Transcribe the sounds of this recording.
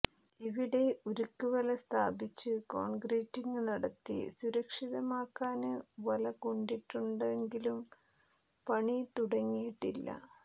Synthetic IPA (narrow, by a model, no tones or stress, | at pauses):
iʋiɽe̞uɾukːuʋɐlɐst̪ʰaːbit͡ɕːɨko̰ːɳɡreːtːiŋɡɨnɐɽɐt̪ːḭsuɾɐkʂiðɐmaːkːaːnɨʋɐlɐkoɳɖiʈːuɳɖeŋɡilum | pɐɳit̪uɽɐŋːijiʈːilːɐ̰